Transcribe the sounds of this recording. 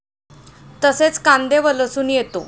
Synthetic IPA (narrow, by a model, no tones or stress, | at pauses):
t̪əset͡skand̪eʋələsuːnjet̪o